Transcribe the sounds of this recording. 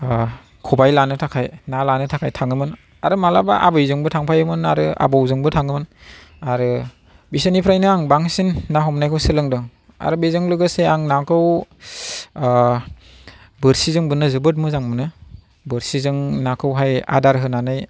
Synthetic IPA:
kʰubajlanɯtʰakʰajnalanɯtʰakʰajtʰaŋɯmɯn | aɾɯmalabaʔabɯjzɯŋbɯtʰaŋpʰajɯmɯnaɾɯa̰bɯwzɯŋbɯtʰaŋɯmɯn | aɾɯ | bisɯnipʰɾajnɯaŋbaŋsinːaɦɔmnajkʰɯwsɯlɯŋdɔŋ | a̰ɾɯbezɯŋlɯɡɯseaŋnakʰɯw | bɯɾsizɯŋbɯnɯzɯbɯt̚mɯzaŋbɯnɯ | bɯɾsizɯŋnakʰɯwɦaja̰daɾɦɯnanɯj

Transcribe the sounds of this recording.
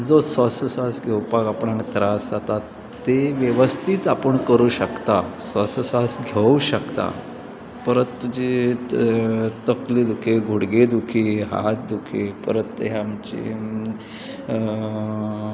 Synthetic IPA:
d͡zosəsəsasɡʱewpakapɽãnt̪ɾasd͡zat̪a | t̪eʋjəʋəst̪ʰiːt̪apəɳkəɾuːɕəkt̪asəsəsasɡʱeuɕəkt̪a̰ | pəɾət̪d͡ʑi | t̪əklid̪ukʰeɡʱuɽɡed̪ukʰiɦa̰t̪̚d̪ukʰipəɾət̪ːḛɦaamt͡ɕḭ

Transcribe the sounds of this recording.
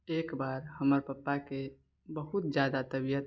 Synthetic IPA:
eːkbaːɾhəməɾpəpːake | bəɦʊt̪d͡ʒjaːd̪at̪əbijət̪

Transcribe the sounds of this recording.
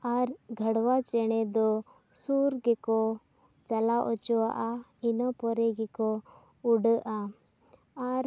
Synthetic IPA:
aɾɡʱəɽwat͡ʃɛɽ̃ɛd̪ɔ | suɾɡɛkɔ | t͡ʃalaʔɔt͡ʃɔwa̰ʔainɔpɔɾɛɡɛkɔ | uɖəʔa | aɾ

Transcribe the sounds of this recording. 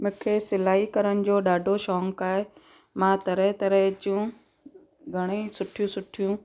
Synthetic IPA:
mʊ̃ːkʰeːsɪlaːikɐɾəɽ̃ɪ̆d͡ʑoːɗaːɖʱoʃɔːŋkaːɦe | mãːt̪ɐɾəɦt̪ɐɾəɦd͡ʑjũː | ɡʱɐɽ̃isʊʈʰijũsʊʈʰijũ

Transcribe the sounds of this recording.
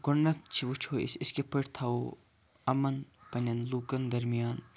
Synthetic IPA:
ɡʊɳːɐt̪̚t͡ʃʰiʋut͡ʃʰoːḭsɪskepəʈt̪ʰɐo | ɐmɐnpɐnʲɐnluːkɐnd̪ɐɾmijaːn

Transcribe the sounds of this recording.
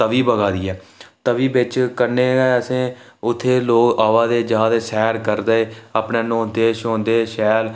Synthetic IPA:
t̪əʋiːbəɡaːd̪iːɛːt̪əʋiːbɪt͡ʃkənːeːɛːəsẽː | ʊt̪ʰːeːloːkaːʋaːd̪eːd͡ʒaːd̪eːsɛːɾkəɾd̪aːeːaːpneːnõːd̪eːʃõːnd̪eːʃɛːl

